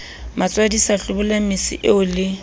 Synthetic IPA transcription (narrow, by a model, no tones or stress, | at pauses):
mat͡sʼwadisaɬʊbʊlamɪsɪ̰ʔɪʊlɪ